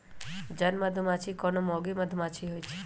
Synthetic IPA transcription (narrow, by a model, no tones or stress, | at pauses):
d͡ʒənməd̪ʱumat͡ʃʰikɔnomɔɡiməd̪ʱumãt͡ʃʰiɦojt͡ʃʰe̥